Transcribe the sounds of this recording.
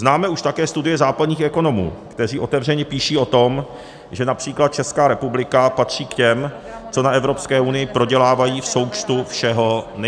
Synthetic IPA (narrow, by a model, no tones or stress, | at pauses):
znaːmɛuʃt̪akɛːst̪udɪjɛzaːpadɲiːxɛko̞no̞mṵːkt̪ɛriːʔo̞t̪ɛvr̝ɛɲɛpiːʃiːo̞t̪om | ʒɛnapr̝̥iːklat̪̚t͡ʃɛskaːɾɛpublɪkapat̪r̝̥iːkcɛm | t͡so̞naɛvɾo̞pskɛːʔunɪjɪpɾo̞ɟɛlaːvajiːfso̞wt͡ʃt̪ufʃɛɦo̞nɛ